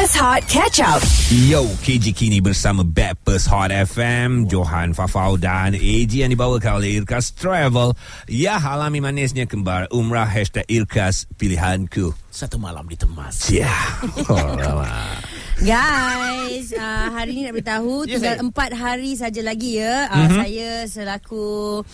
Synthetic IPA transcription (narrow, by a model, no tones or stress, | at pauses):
əshɔt̪̚kʰɛt͡ʃap̚jowkʰed͡ʒikʰinibərsamə̃bɛpəshɔtɛfɛmd͡ʒoɦanfafawdaned͡ʒijaŋdibawəkanoleirkast̪ɾɛvəl | jaɦalamĩmãnɪsɲãkəmbaɾʔumɹaɦɛʃt̪ɛkirkʰaspiliɦankʰusat̪umala̰mdit̪əmã̰sjaola̰ma̰ | ɡajjsəɦaɾininabəɾit̪aɦut̪əɡaləmpat̪̚ɦaɾis̬ad͡ʒalaɡijəəsajasəlaku